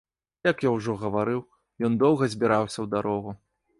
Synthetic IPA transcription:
jɐkjawʐɔɣɐvaɾɨw | jɔnd̪ɔwɣɐzʲbʲiɾawsʲɐwd̪aɾɔɣu

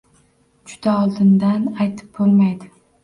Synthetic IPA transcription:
d͡ʒʊd̪aɒlˠd̪ɪnd̪anajt̪ʰɪ̥p̚bolˠmajd̪ɪ

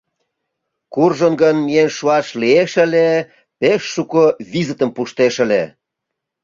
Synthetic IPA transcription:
kurʒənɡənmienʃuɑʃlieʃə̆le | peʃːukoβizət̪ə̆mpuʃt̪eʃə̆le

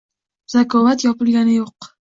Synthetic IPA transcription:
z̥akʰɒvat̪jɒpɪlˠɡʲanɪjoq

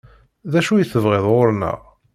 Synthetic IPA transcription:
ðæʃujθəvʁeðˤʁoɾnə̰ʁ

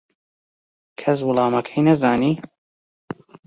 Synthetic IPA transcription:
kʰɐs̬wʊlˠɑːmɐkʰɐjnɐzaːniː

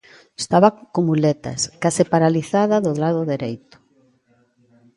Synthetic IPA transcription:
est̪aβakomulɛt̪ɐ̰skasɪpaɾaliθaðaðʊðlaðʊðeɾejt̪ʊ̥

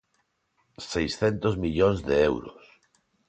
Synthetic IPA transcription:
sejsθɛnt̪ozmiʎõnzðeɛwɾʊ̰s

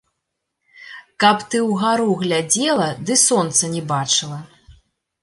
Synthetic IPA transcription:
kɐpt̪ɨwɣaɾuɣlʲad͡zʲɛlˠɐd̪ɨsɔnt̪sɐnʲɛbat͡ʂɨlˠɐ

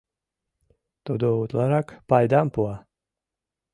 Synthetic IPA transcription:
t̪ɔd̪uut̪lˠaɾakpajd̪ampua

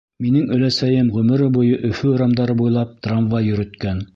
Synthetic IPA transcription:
minɘŋɵ̆læsæjɘmʁɵ̆mɵ̆ɾɘbujɤʔɵ̆fɵoɾɑmd̪ɑɾɤbujlˠɑp̚t̪ramvɑjɵ̆ɾɵ̆t̪kæn

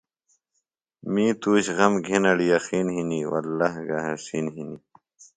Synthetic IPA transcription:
miːt̪uːɕɣɐmɡʱinɐɽijɐxiːnɦiniwɐ̰lːahɡaɦɐsinɦini

